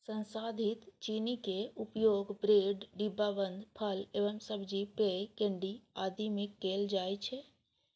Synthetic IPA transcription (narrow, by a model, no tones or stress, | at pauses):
sə̃nsad̪ʱit̪t͡ʃinikeupjoːɡbɾeːɖɖibːabənd̪pʰəleʋəmsəbʱd͡ʒipekeɳɖiad̪ʱimikːeld͡ʒajt͡ʃʰɛ